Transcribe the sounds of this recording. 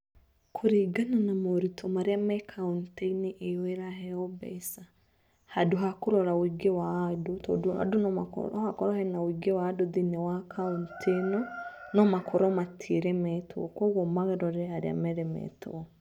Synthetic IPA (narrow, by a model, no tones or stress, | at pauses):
kʰoɾiɡananamoɾitʰɔmaɾeamɛkʰaunteiniʔeweɾaɦɛɔbɛ̰sa | haduɦakoɾɔɾawiɡewadotɔa̰dunɔmakɔ̰ɾɔhakɔɾɔhɛnawiɡewadoðinɛwakʰauntʰenɔnɔmakʰɔɾɔmatʰiɾɛmɛtoɔ̰kɔɣɔmaɣɛɾɔɾɛaɾea̰mɛɾɛmɛ̰to̰ɔ